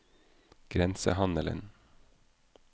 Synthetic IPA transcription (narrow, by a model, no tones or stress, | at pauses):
ɡ̥ɾɛnsə̰hɑnələ̰n